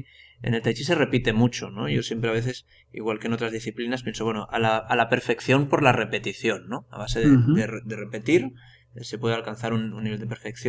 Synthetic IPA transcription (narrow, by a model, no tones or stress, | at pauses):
ḛnelt̪ajt͡ʃise̞repit̪e̞mut͡ʃo̞no̰ʝo̞sjempɾeaβe̞θe̞s | ḭɣwalkeno̞t̪ɾazðisθiplinaspjensoβwe̞noʔalaalape̞ɾfe̞kθjo̞mpo̞ɾlare̞pe̞t̪iθjo̞nːoa̰β̞aseðed̪eed̪erepe̞t̪iɾ | esepwe̞ðealkan̟θaɾununːiβeld̪epeɾfekθjo